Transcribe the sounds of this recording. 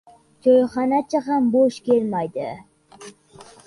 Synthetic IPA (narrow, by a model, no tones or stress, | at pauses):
t͡ʃʰojχɑnat͡ʃʰaɦamboʃkʲʰelmajd̪ɪ̰